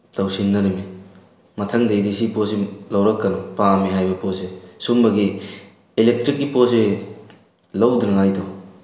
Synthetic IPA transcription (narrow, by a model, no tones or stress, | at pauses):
tɐwsinːɐɾimi | mɐtʰɐŋdejdisiposilɐwɾɐkːɐnɔpamiɦajbɐposesumbɐɡi | ilek̚tɾikːipos̬e | lɐwdunɐŋajdɔ